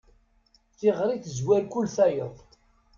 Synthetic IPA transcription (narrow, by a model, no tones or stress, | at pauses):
θiʁɾiθəzwælkʊlθæjəðˤ